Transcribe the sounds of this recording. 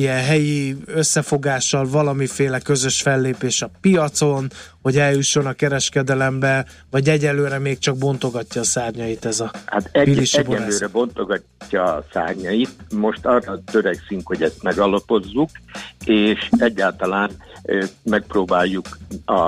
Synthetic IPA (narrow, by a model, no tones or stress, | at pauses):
ijɛɦɛjiøsːɛfo̞ɡaːʃːɒlvɒlɒmifeːlɛkø̞zø̞ʃfɛlːeːpeːʃɒpijɒt̪so̞nho̞ɟɛljuʃːo̞nɒkɛɾɛʃkɛd̪ɛlɛmbɛ | vɒɟɛɟɛløːɾɛmeːk̚t͡ʃɒɡ̚bo̞nt̪o̞ɡɒcːɒːsaːrɲɒjit̪ɛzɒhat̪ɛpiiʃbɛlːøːɾɛbo̞nt̪oɡɒː | ɒsa̰ːrɲɒjit̪mo̞ʃt̪ɒːrːɒt̪øɾɛksyŋkho̞ɟɛst̪mɛɡɒlɒpo̞zːukeːʃɛɟːaːlt̪ɒlaːn | mɛk̚proːbaːjːukɒ